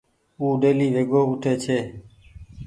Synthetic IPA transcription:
uːɖeːliːʋeːɡoːʊʈʰeːt͡ʃʰeː

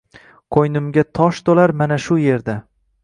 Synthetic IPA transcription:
qʰojnɪmɡʲat̪ʰɒʃt̪olaɾmanaʃʊje̞ɾd̪a

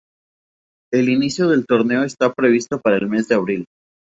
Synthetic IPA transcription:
e̞linisjo̞ðe̞lt̪o̞ɾne̞oest̪apɾe̞β̞ist̪o̞paɾaelme̞zðeaβɾil

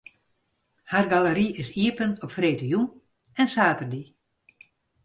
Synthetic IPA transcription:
harɡaləɾiɪsiəpənɔpfreːtəjun | ɛnsaːtərdi

